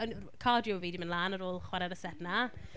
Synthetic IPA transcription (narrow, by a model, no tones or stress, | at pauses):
ən | kʰaːdjoviːdimənlˠaːnəɾoːlˠχwɛɾɛɾəsɛdna